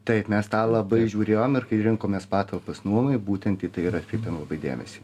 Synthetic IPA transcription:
t̪ɐɪpmʲɛst̪ɑːlˠɐbɐɪʒʲuːɾʲeːjoːmɪrkɐɪɾʲɪŋkoːmʲeːspɑːt̪ɐlˠpɐsnuɔmɐɪbuːt̪ʲɛnt̪it̪ɐɪiɾɐt̪ʲkʲɾʲɛɪpʲeːmlˠɐbɐɪd̪ʲḛːmʲɛ̰sʲi

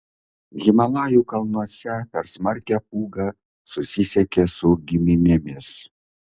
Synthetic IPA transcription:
ɣʲɪmɐlˠɑːjuːkɐlˠnuɔsʲɛpʲɛɾsmɐɾʲkʲɛpuːɡɑ | sʊsʲɪsʲɛkʲesʊɡʲɪmʲɪnʲɪmʲɪs

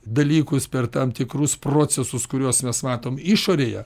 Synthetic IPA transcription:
d̪ɐlʲiːkʊspʲɛrt̪ɐmt̪ʲɪkrʊsproːt͡ssʲɛsʊskʊɾʲuɔsmʲɛsmɑːt̪oːmɪʃoːɾʲeːjɛ

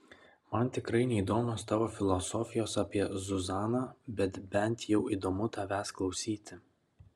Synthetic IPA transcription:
mɐnˑt̪ʲɪkɾɐɪnʲɛid̪oːmʲoːst̪ɑːʋoːfʲɪlˠɔsɔfʲɪjoːsɑːpʲiɛzʊzɑːnɑːbʲɛt̪bʲɛnˑt̪jɛʊiːd̪oːmʊt̪ɐʋʲæːsklˠɒʊsʲiːt̪ʲɪ

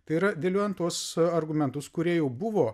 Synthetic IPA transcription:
t̪ɐɪiɾɐd̪ʲeːlʲuːjɛnt̪uɔsɐɾɡʊmʲɛnt̪ʊskʊɾʲiɛjɛʊbʊʋoː

